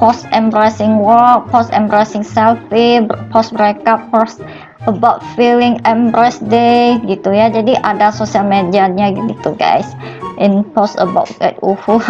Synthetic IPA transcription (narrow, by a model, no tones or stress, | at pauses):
pɔsɛ̃mbɾajsɪŋwɔk̚pɔsɛ̰̃mbɾajsɪ̃ŋsɛlfebpɔsbɾɛkapɔs | əbaʊt̚filɪ̃ŋɛ̃mbɾasdeɡit̪ujad͡ʒadiʔadasosialmediaɲaɡiit̪uɡa̰jsʔĩnpɔsə̰baʊtɡɛ̰t̪̚uhu